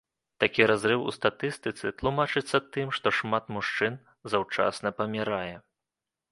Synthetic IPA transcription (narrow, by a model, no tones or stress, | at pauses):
t̪akʲiɾazɾɨwṵst̪at̪ɨst̪ɨt̪sɨt̪lˠumat͡ʂɨt̪sːɐt̪ɨmʂt̪ɔʂmat̪muʂt͡ʂɨn | zawt͡ʂa̰snɐpɐmʲiɾajɛ